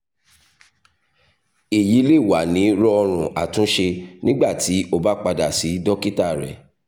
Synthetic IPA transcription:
i˨ji˨˦le˦˨wa˨˦nĩ˨˦ɾɔ˦ɔ˧ɾ̃ũ˨a̰˨tũ˨˦ʃe˧nĩ˦ɡ͡ba˦˨ti˨˦o˦ba˨˦k͡pa˧da˨si˨˦dɔ˦ki˦ta˦˨ɾɛ̰˨

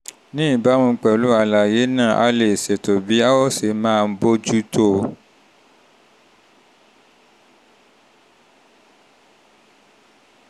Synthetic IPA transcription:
nĩ˦i˦˨ba˨˦mũ˧˦k͡pɛ˨lu˨˦a˧˨la˨je˨˦nãː˦˨ʔa̰˧˦le˨se˨to˨bi˨˦a˦wɔ˦˨se˨˦mãː˦˧n̩˦bo˦d͡ʒu˦tʰo˦˨

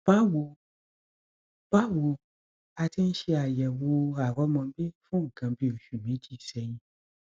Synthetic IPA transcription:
b̥a˦wo˧ | b̥a˦wo˧ | a˧tʰĩ˦n̩˦ʃi˧a˨jɛ˨wo˧a˨wɔ˦mã˨˧˦bi˦fũ˦˨ɡã˨bi˦o˨ʃu˨mĩ˨˦d͡ʒi˦˨sɛ˧ɲĩ˦

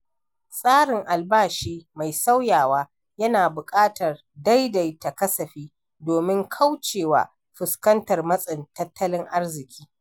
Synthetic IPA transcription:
sʼaː˦ɽɪ˨ŋʔa˨lbaː˦˨ʃiː˦ma˨jsa˦wjaː˨waː˦ | jɐ˦naː˨bʊ˨kʼaː˦tɐ˨r | da˦jda˨jtɐ˨kɐ˦sɐ˨ɸiː˦ | doː˨mɪ˦ŋkʰa˦wt͡ʃeː˨wa̰ː˦ | ɸɪ˨skɐ˦ntɐ˨rmɐ˦sʼɪ˨ntɐ˦tʰːɐ˦lɪ˦ŋʔa˦rzɪ˨kʲʰi̥ː˦

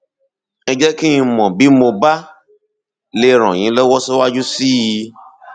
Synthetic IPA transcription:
ɛ˨d͡ʒɛ˦ki˦ĩ˧mɔ̃˨bi˦mõ˨ba˦ | le˦˨ɾ̃ɔ̰̃˨ɲĩ˨˦lɛ˦wɔ˦se˦wa˦d͡ʒu˦si˦i˦˧

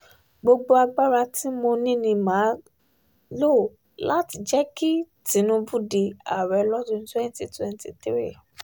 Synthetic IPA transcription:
ɡ͡bo˧ɡ͡bo˧a˧ɡ͡ba˦ɾa˧ti˦mo˧nĩ˦nĩ˧˨mã˨˦ | lo˦˨ | la˦ti˨d͡ʒɛ˦ki˦ti˨˦nũ˧˦bu˦di˧˨a̰˨ɾɛ˨˧lɔ˦dũ˧˦n˦twɛ˦n˦ti˨twɛ˦n˦ti˨t̪ɾi˦˨

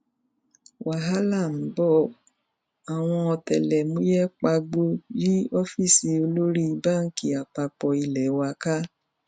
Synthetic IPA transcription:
wʔa˨ɦa˦la˦˨m̩˨˦bɔ˦˨ | a˨w̃ɔ̃˧ɔ˧tɛ˨lɛ˨mũ˦jɛ˦k͡pa˧ɡ͡bo˧ji˦ɔ˦fi˦˨si˧o˧lo˦ɾi˦˧ba˦˨ŋ̩˦ki˧˦a˨k͡pa˧k͡pɔ˧i˧lɛ˨˦wa˧ka˦

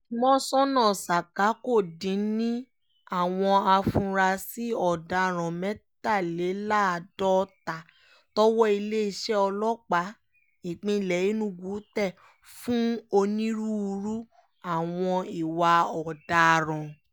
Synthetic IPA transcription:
mɔ̃˦sɔ̃˦nãː˦˨sa˨ka˨˦ko˦˨dĩ˨˦nĩ˦ | a˦˨w̃ɔ̃˧a˧fũ˧ɾa˧si˦ɔ˨da˧˨ɾ̃ã˨mɛ̃˦ta˦˨le˨˦la˦˨˧dɔ˦ta˨ | tɔ˦wɔ˦i˧le˦i˧ʃɛ˦ɔ˧lɔ˦k͡pa˨˦ | ĩ˨k͡pĩ˧˨lɛ˨ji˨˦nũ˦ɡu˨˦tɛ˦˨ | fũ˦o˧nĩ˦ɾu˦˧ɾu˦ | a˦˨w̃ɔ̃˧i˨wa˧ɔ˨da˧˨ɾ̃ã˨

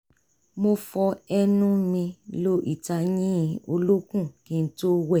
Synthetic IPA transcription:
mo˧fɔ˧ɛ˦nũ˦mĩ˧lo˦ʔi˦˨ta˧jĩ˦˧o˧lo˦kũ˦˨kĩ˨˧n̩˦to˦wɛ˦˨

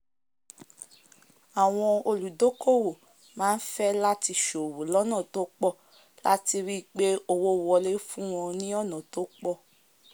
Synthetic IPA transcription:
a˨w̃ɔ̃˧o˧lu˨do˨˦ko˦˨wo˨ | mãː˨˦n̩˦fɛ˦la˦ti˧ʃo˨wo˨lɔ˨˦nã˦˨to˦k͡pɔ˦˨ | la̰˦ti˧wi˦k͡pe˦o˦˧wo˦wɔ˧le˦fũ˦w̃ɔ̃˧nĩ˦ɔ˦˨nã˨to˨˦k͡pɔ˦˨

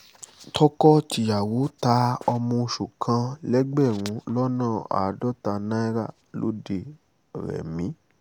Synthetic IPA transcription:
tɔ˦kɔ˦ti˨ja˨wo˨˦ta˧˦ɔ˧mɔ̃˧ʃu˨kʰã˧lɛ˦ɡ͡bɛ˦˨ɾ̃ũ˨˧˦lɔ˦nãː˦˨a̰˨dɔ˦ta˧nã˦i˦ɾa˦˨ | lo̰˨˦de˧˨ | ɾɛ̰˨mĩ˨˦

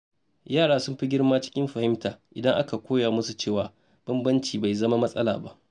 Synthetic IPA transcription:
jaː˦˨ɽaː˦sʊ˦mɸi˦ɡʲɪ˦ɽmaː˦t͡ʃɪ̥˦kʲɪ˦mɸɐ˨hɪ˦mtaː˨ʔɪ˨dɐ˦ŋʔa˦ka˨kʷoː˦jaː˨mʊ˦su˨t͡ʃeː˦˨waː˨ | b̥ɐ˦mbɐ˦nt͡ʃiː˨ba˨jzɐ˦ma˦mɐ˦sʼɐ˦laː˨ba̰˦ʔ

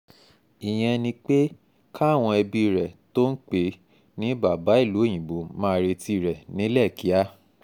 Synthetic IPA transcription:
i˨j̃ɛ̃˧nĩ˧k͡pe˦ | kʰa˦˨w̃ɔ̃˧ɛ˧bi˧i˨ɾɛ˨to˦n̩˦k͡pe˨˦ | nĩ˨˦ba˨ba˨˦i˦˨lu˨˦e˦˨j̃ĩ˨bo˨˦mãː˦˧ɾe˧ti˧i˨ɾɛ˨nĩ˨˦lɛ˦˨ki˨˦a˦

